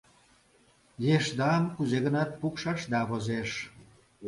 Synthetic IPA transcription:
jeʃd̪ɑmkuzeɣə̆nɑt̪̚pukʃɑʃd̪ɑβozeʃ

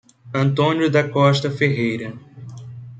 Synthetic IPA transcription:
ɐ̃nt̪õnjʊd̪ɐkɔʃt̪ɐfeɦejɾɐ

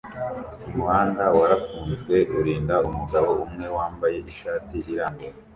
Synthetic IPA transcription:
umuwaːndawaɾafuːnzɡwe̞ʔuɾiːndaumuɡaβoumŋe̞waːmbaje̞ʔiʃaːtiiɾaːmɡoɾa

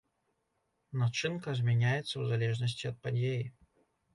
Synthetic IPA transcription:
nɐt͡ʂɨnkəzʲmʲɪnʲæjɪt̪sːəvzɐlʲeʐnəsʲtʲɪɐt̪̚pɐdʲejɪ

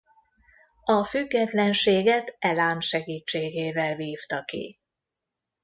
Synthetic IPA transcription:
ɒfyɡːɛt̪lɛnʃeːɡɛt̪ɛlaːmʃɛɡiːt͡ʃːeːɡeːvɛlviːft̪ɒkḭ

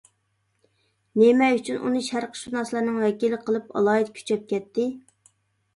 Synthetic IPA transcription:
nemɛjyt͡ʃʰynʔṵnɨʃæɾqʰə̥ʃunɑslˠɑɾnɨŋwɛkʲilɪqʰəlˠɨpɑ̰lˠɑjit̪kʲʰy̥t͡ʃʰɛp̚kʲɛt̪ʰːɪ

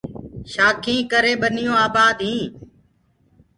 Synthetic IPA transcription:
ʃaːkʰĩːkəɾeːɓənɪjõːaːbaːd̪ɦĩː

